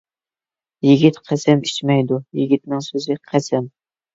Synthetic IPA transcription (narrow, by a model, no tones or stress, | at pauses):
jiɡʲit̪qʰæsɛmit͡ʃmɛjd̪ujiɡʲit̪̚nɨŋsøzɪqʰæsɛm